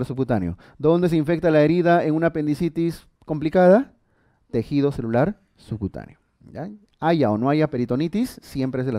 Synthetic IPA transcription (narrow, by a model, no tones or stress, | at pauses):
ɾsukut̪anjo̞̰ | d̪o̞nd̪e̞s̬eiɱfe̞k̚t̪alae̞ɾiðaeŋunape̞nd̪isit̪is | ko̞mplikaða | t̪e̞xið̞o̞se̞lulaɾ | sukut̪a̰njo | ja̰ | aʝaono̞aʝape̞ɾit̪o̞nit̪isːjempɾeezðela